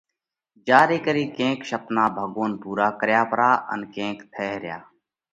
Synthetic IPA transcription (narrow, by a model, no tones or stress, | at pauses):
d͡ʒaːɾeːkəɾiːkẽːkʃəpnaːbʱəɠoːnpuːɾaːkəɾjaːpɾaːʔə̰nkẽːkt̪ʰeːɦɾɪja̰ː